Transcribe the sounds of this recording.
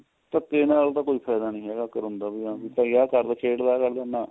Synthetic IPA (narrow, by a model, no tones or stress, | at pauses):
t̪əkːeːnaːlt̪ãːkoːiːpʰaːjd̪aːnĩːɦɛːɡaːkəɾʊ̃nd̪aːbiãːbiːpaːiaːkəɾd̪aːkʰeːʈd̪aːkəɾd̪aːnaː